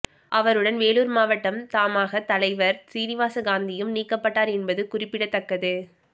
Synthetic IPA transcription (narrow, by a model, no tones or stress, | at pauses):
ʔɐʋɐɾɯɽɐnʋeːluːɾmaːʋɐʈːɐmt̪aːmaːɣɐt̪ɐlɐɪʋɐɾsiːnɪʋaːsɐɡaːnd̪ɪjɯmniːkːɐpːɐʈːaːɾɛnbɐðɯkʊrɪpːɪɽɐt̪ːɐkːɐðɯ